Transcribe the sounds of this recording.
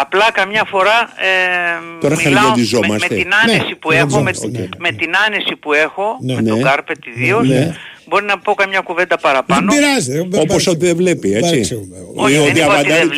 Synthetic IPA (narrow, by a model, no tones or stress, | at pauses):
ɐplɐkɐmɲɐfo̞ɾɐeo̞ɾɐxɐɾʝod̪izo̞mɐst̪einɐnesipuexomeoeme̞t̪inɐnesipue̞xo̞meneoɡɐɾpet̪iðiosne | bo̞ɾinɐpo̞kɐmɲɐkuve̞nd̪ɐpɐɾɐpɐnobiɾɐzeoposot̪̬iðevle̞pieɐsisioðiɐpɐd̪ɐi